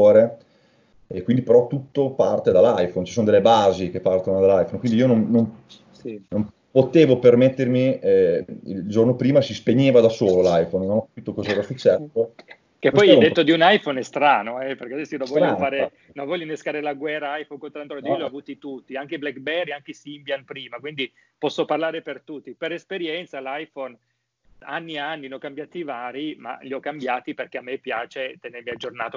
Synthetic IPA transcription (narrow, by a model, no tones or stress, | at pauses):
oːɾe | ekːwind̪ipeɾɔt̪ːut̪ːopart̪ed̪alːajfont͡ʃisoːnod̪elːebaːzik̟epart̪onod̪alajfonkwind̪iiːononːom | nom | pot̪eːvopermet̪ːermiɛḭlld͡ʒornopɾiːmasispeɲːeːvad̪asoːlolajfonnonɔkːḁpiːt̪okozaɛːɾasut͡ʃːɛsːo | keppɔjɛjd̪et̪ːod̪iunajfonɛst̪ɾaːnoɛperkead̪ɛsːinõnvɔʎːofaːɾe | noɱvɔʎːjːoneskaːɾelaɡwɛrːaajfonkont̪ɾant̪ɾod̪ioljɔavuːt̪it̪ut̪ːiaŋkeblɛkbɛriaŋk̟esimbjanpɾiːmakwind̪i | pɔsːoparlaːɾepert̪ut̪ːipeɾespeɾjɛnt̪salajfon | a̰nːianːinɔkːambjaːt̪ivaːɾima̰ʎiɔkːambjaːt̪iperk̟eamːepːjaːt͡ʃet̪eneɾmiad͡ʒːornaːt̪o